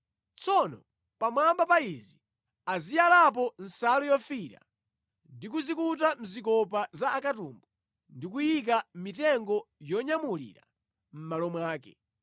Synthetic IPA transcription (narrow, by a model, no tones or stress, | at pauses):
t͡sʰɔnɔ̰ | pamwambapaizi | azijalap̬ɔn̩salɔjɔfiɾa̰ | ndik̬uzikut̬am̩zikɔp̬azaːkatṵmbu | ndik̬ujik̬amitɛŋɡɔjɔɲamulḭːɾa̰ | m̩malɔmwaːkɛ